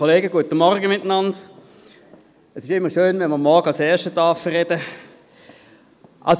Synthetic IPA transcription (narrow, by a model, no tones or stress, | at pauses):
oleːɡəɡuətəmɔʁɡəmɪtːənɑnd | ɛsɪʃɪmːəʃøːnvɛnməʁmɔʁɡəɑlsɛːɐʃtətɑːfəʁɛd̥ə | ʔa̰ls